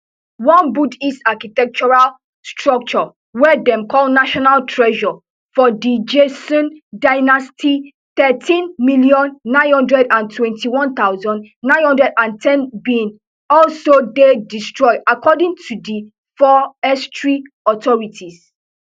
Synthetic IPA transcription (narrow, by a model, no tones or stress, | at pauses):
wɔ̃nbudistakitɛk̚t͡ʃɔɹal | stʰɹɔk̚t͡ʃɔ | wɛdɛ̃mkʰɔlnaʃɔnaltʰɹɛʒɔ | fɔdid͡ʒesɔ̃ndaɪnastʰi | θɛtʰĩnmiliɔ̃nːãɪ̃nhɔ̃ndɹɛdãntʰwɛ̃ntʰiwɔ̃nt̪aʊzɔ̃nnãɪ̃nhɔ̃ndɹɛdãntʰɛ̃nbĩn | ɔlsodedistɹɔɪakʰɔdĩŋtʰudi | fɔɛstɹi | ɔt̪ɔɹitʰis